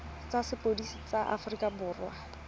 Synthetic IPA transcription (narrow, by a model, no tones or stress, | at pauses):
t͡sasɪpʼodisit͡saʔa̰fʊrikabʊːrwa